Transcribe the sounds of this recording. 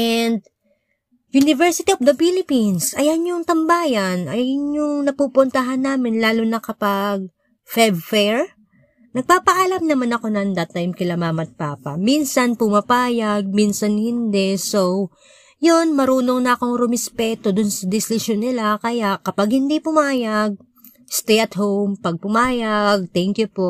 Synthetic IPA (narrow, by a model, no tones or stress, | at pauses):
ʔɛnd̪ | junɪvɛɹsɪt̪iʔofd̪ɐfilɪpinsʔɐjanjʊŋt̪ɐmbaːjɐnɐjjʊnjʊŋnɐpupʊnt̪ɐɦanːaːmɪnlaːlʊnɐkɐpaɡ̚ | fɛvfɛɹ | nɐɡ̚paːpɐʔalɐmnɐmanɐko̞nɐnd̪ɐt̪ːajmkɪlɐmaːmɐt̪̚paːpɐ̰minsɐnpʊmɐpaːjɐɡ̚minsɐnhɪnd̪ɛso | jonmɐɾuːno̞ŋnɐɐko̞ŋɾʊmɪspɛːt̪o̞d̪ʊnsɐd̪ɪslɪʃonːɪlakɐjaʔkːɐpaɡ̚hɪnd̪ipʊmaːjaɡ̚ | st̪ɛjʔɐt̪howmpɐɡ̚pʊmaːjɐɡ̚t̪ɛŋkjʊpoʔ